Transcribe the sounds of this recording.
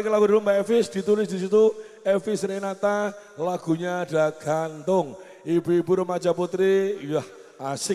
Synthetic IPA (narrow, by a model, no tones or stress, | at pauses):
ikəlaɡudilumbaɛfɪsd̪̥i̤t̪ulɪsd̥̪isit̪u | ɛfɪsɾenat̪alaɡ̥ṳɲaɖ̥a̤ɡ̥ant̪ʊŋ | ibuibuɾəmḁd͡ʒaput̪ɾijah | asɪ